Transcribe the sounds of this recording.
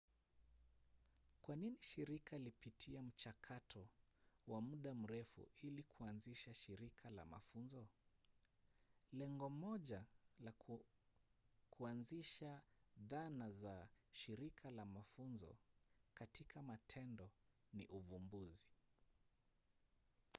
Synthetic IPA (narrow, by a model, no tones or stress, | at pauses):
kwaniniʃiɾikʰalipitʰiam̩t͡ʃakʰatʰɔwamuɗam̩ɾɛfṵilikʰuanziʃaʃiɾikʰala̰ma̰funzɔ | lɛŋɡɔmɔʄala | kʰuanziʃaðanazaʃiɾikʰalamafunzɔ̰katikʰamatʰɛndɔ | nḭʔuvumbuzi